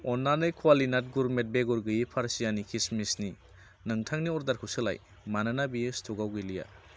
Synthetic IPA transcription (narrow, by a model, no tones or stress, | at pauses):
ɔnːanɯjkʰwalinat̚ɡuɾmet̚beɡuɾɡɯjipʰaɾsijanikʰismisni | nɯŋtʰaŋniɔɾdaɾkʰɯwsɯla̰j | manɯnabijɯstʰuɡawɡɯlija̰